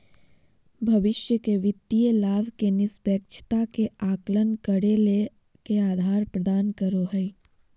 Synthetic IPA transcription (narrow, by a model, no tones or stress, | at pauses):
bʱɐʋɪʃjəkeʋɪt̪ːijəlaːʋkenɪspeːk̚t͡ʃʰt̪akeaːklənkəɽele | keaːd̪ʱaːɾpɾəd̪aːnkəɾoɦɛi